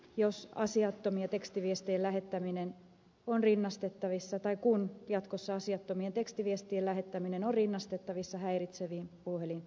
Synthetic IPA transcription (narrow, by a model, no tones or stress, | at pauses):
josɑ̰siɑt̪ːomiɑt̪ekst̪iʋiest̪ielæɦet̪ːæminen | onrinːɑst̪et̪ːɑʋisːɑt̪ɑikunjɑt̪kosːɑɑsiɑt̪ːomient̪ekst̪iʋiest̪ielæɦet̪ːæminenorrinːɑst̪et̪ːɑʋisːɑhæirit̪seʋiːmpuhelin